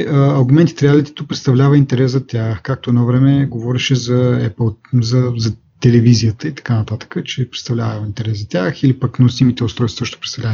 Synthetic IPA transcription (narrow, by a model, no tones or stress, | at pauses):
əɐːɾɡʊmɛnt̪i̥t̪ɾɛalit̪ɛ̥t̪opɾɛt̪st̪ɐvlʲavəint̪ɛɾɛszɐt̪ʲjaxkak̚t̪oɛnɔvɾɛmɛɡovɔɾɛʃɛzɐɛ̰pəlˠzɐzɐ | t̪ɛlɛvizijət̪əit̪ɐ̥kanɐt̪at̪ə̥kət͡ʃɛpɾɛt̪st̪ɐvlʲavəint̪ɛɾɛsɐt̪ʲaxilipəknosimit̪ɛʊt̪st̪ɾɔjsvəʃt̪əpɾɛt̪t̪ɐvlan